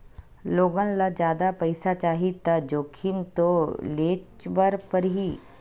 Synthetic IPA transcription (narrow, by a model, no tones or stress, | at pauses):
loːɡə̃nlad͡ʒjaːd̪apɐɪsat͡ʃaːɦit̪ad͡ʒoːkʰimt̪oleːt͡ʃbəɾpəɾɦiː